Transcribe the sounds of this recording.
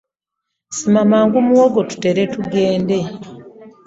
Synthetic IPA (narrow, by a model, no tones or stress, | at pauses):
simamaːŋɡumuwoɡo̞tu̥teɾe̞tuɡe̞ːnde̞